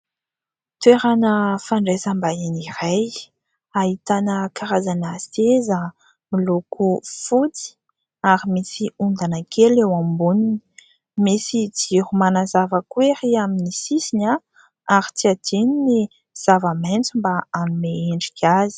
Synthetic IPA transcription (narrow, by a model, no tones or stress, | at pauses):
t̪weɾanəfaɳɖ͡ʐesambaeniraj | aɦit̪anəkaɾazanəsezə | milukufut͡si̥ | aɾimisiund̪anəkʰelewambunini̥ | misid͡ʒiɾumanazavəkweɾiaminisisina | aɾit͡siad̪inini | z̥avament͡simbaanumeeɳɖ͡ʐikʰʲazi̥